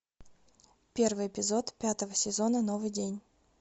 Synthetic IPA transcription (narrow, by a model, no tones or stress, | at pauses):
pʲe̞rvɨjɪpʲɪzo̞t̪pʲat̪əvəsʲɪzo̞nəno̞vɨjdʲenʲ